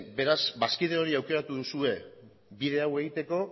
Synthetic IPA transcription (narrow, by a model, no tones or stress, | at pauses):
be̞ɾazbaskiðeo̞ɾiawke̞ɾat̪uðusue̞ | biðe̞awe̞ɣit̪e̞ko̞